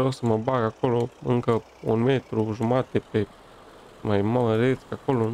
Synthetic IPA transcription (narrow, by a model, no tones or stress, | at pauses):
osəməbaɡakoloɨ̰ŋkə | ṵnmet̪ɾuʒumat̪epe | majmalɾet͡skakolo